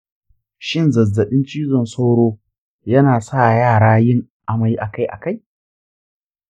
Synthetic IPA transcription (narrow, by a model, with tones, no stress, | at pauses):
ʃɪ˦nzɐ˨zːɐ˨ɗɪ˦nt͡ʃiː˦zɔ˨nsa˦wɽoː˦ | jɐ˦naː˨saː˦˨jaː˦˨ɽaː˦jɪ˦ŋ | ʔa˨ma˨jʔa˨ka˦jʔa̰˨ka˦j